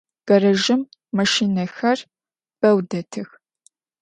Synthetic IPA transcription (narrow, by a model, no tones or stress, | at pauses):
ɡ̥ɐɾɐʒɪmː | ɐʃiːnɐxɐr | b̥ɐwdɐtʰɨx